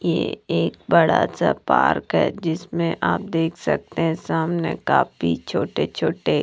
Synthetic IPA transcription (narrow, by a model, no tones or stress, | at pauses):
jeeːk̚bɐɽasapa̰ːɾkɦɛ̰d͡ʒɪsmẽʔaːp̚d̪eːkʰsɐ̰k̚t̪eɦɛ̃saːmneka̰ːfit͡ʃʰoːʈet͡ʃʰoːʈe